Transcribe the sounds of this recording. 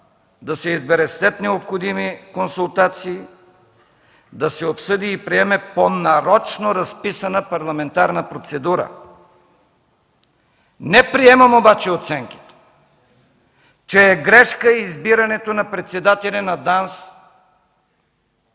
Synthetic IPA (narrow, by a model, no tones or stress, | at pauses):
d̪ɐsɛizbɛɾɛsɛt̪nɛopxod̪imikonsulˠt̪at̪siː | d̪ɐsɛopsɤd̪iːpɾiɛmɛponɐɾɔt͡ʃnoɾɐspisɐnəpɐɾlˠɐmɛnt̪aɾnəpɾot̪sɛd̪uɾə̰ | nɛpɾiɛmɐmobat͡ʃɛot̪sɛŋk̟i̥t̪ɛ̥ | t͡ʃɛːɡɾɛʃkəizbiɾɐnɛt̪onɐpɾɛt̪sɛd̪at̪ɛlʲɐnɐd̪ans